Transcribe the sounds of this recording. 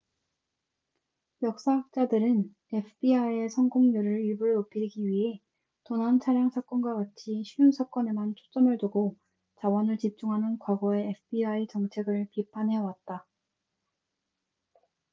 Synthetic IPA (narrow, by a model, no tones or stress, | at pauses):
jʌk̚s͈aɦak̚t͡ɕ͈adɯɾɯn | epʰɯbiaie̞sʰʌŋɡoŋɲuɾɯɭibuɾop͈ʰiɾiɡiɥiɦe̞ | tonant͡ɕʰaɾjaŋsʰak͈ʌnɡwaɡat͡ɕʰiɕʰijunsʰak͈ʌne̞mant͡ɕʰo̥t͡ɕ͈ʌmɯɭtoɡo | t͡ɕawʌnɯɭt͡ɕip̚t͡ɕ͈uŋɦanɯnkwaɡʌe̞ːpʰɯbiait͡ɕʌŋt͡ɕʰe̞ɡɯɭpipʰanɦe̞wat̚t͈a